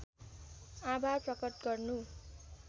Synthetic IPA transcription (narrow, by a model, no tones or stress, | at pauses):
abaprʌkʌt̪ɡʌrnu